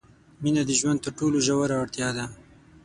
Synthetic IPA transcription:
minad̪iʒwand̪̚t̪əɾʈoloʒawaɾaaɽt̪jɑd̪a

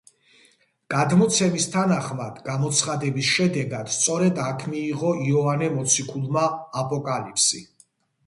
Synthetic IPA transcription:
ɡ̥ad̪mɔt̪sʰɛmist̪ʰanaχmad̪̥ɡamɔt̪sʰχad̪ɛbisʃɛd̪ɛɡad̪̥st̪sʼɔɾɛd̪akʰmiːʁɔiɔvanɛmɔt̪sʰikʰulˠmaːpʼɔkʼalipʰsḭ

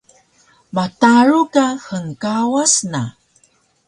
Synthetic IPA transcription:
mataɾukaxəŋkawasna̰

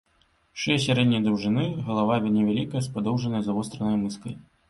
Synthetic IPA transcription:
ʂɛjɛs̬ʲaɾɛd̪ʲnʲɐjd̪ɐwʐɨnɨɣɐlˠavavʲɛnʲɛvʲalʲikɐjɐspad̪ɔwʐɐnɐjɐzɐvɔst̪ɾɐnɐjmɨskɐj

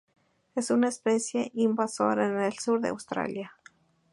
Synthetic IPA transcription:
esunaespesjeʔimbaso̰ɾaenelsuɾðea̰wst̪ɾa̰lja

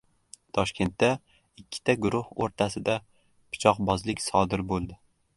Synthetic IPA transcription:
t̪ʰɒʃkʲʰe̞nt̪ːa | ɪkʲʰːɪ̥t̪ʰaɡʊɾʊho̰ɾt̪ʰasɪd̪a | pʰɪ̥t͡ʃʰɒqbɒzlɪkʲsɒd̪ɪɾbolˠd̪ɪ

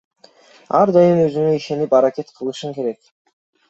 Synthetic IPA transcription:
ɑ̰ɾd̪ɑjɯnøzyŋøiʃe̞nipɑɾakʲe̞t̪qʰɯlˠɯʃɯŋke̞ɾe̞k

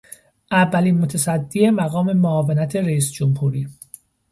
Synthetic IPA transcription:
ʔævːæliːnmot̪ʰæsæd̪ːie̞mæɣɒːme̞moɒːvenæt̪ʰe̞ɾeiːsd͡ʒomhuːɾiː

